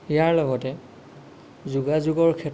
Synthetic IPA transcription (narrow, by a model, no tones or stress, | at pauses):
ijaɹlɔɡɔtɛ | zuɡazuɡɔɹkʰɛt